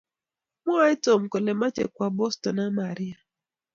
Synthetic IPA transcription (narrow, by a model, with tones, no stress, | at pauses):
mɔ˦a˦i˦to˨mko˨le˨ma˦t͡ʃḛ˨kwa˨bɔ˦stɔ˨na˦ma˨ɾi˦a˨